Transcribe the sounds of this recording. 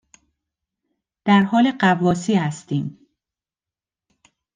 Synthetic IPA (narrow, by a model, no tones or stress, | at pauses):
d̪̥æɾhɒːleɢævɒːsiːhæst̪iːm